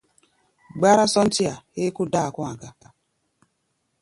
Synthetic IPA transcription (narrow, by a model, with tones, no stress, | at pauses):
ɡ͡ba˦ɾa˦sɔ˦n̩˦tɪ˦a˨e˦kʊ˦da˦˨kʷɔ˦a˨ɡa˨